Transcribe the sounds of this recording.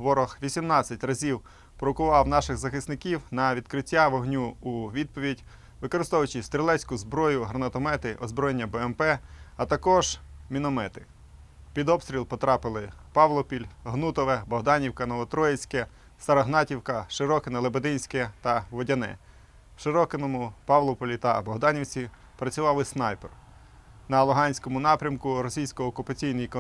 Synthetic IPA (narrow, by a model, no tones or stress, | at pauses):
ʋɔɾɔxʋʲisʲimnɑt͡sʲːɐtʲrɐzʲiw | pɾɔkʊʋɑwnɑʃɪɣzɐxɪsnɪkʲiwnɐʋʲid̪̥̚kɾɪtʲːaʋɔɦnʲuːʋʲid̪̚pɔʋʲidʲ | ʋɪkɔɾɪst̪ɔʋʊt͡ʃɪst̪ɾʲelˠɛsʲkʊzbɾɔjʊɦɾɐnɐt̪ɔmɛt̪ɪʔɔzbɾɔjenʲːɐbɛɛmpɛɐt̪ɐkɔʒmʲinɔmɛt̪ɪ | pʲid̪ɔpst̪ʲɾʲilˠpɔt̪ɾɑpɪlˠɪpɑʋlˠɔpʲilʲɦnut̪ɔʋɛbɔɦd̪ɑnʲiwkɐnɔʋɔt̪ɾɔjet͡sʲkɛ | st̪ɐɾɐɦnɑtʲiwkɐʃɪɾɔkɪnɐlˠebɐd̪ɪnʲsʲkɛt̪ɐʋɔdʲɐnɛ̰ | ʃɪɾɔkɪnɔmʊpɑʋlˠɔpɔlʲit̪ɐbɔɦd̪ɑnʲiwt͡sʲi | pɾɐt͡sʲʊʋɑʋɪsnɑjpɛr | nɐlˠʊɦɑnʲsʲkɔmʊnɑpɾʲɐmkʊɾɔsʲijsʲkɔɔːkʊpɐt͡sʲijnɪjk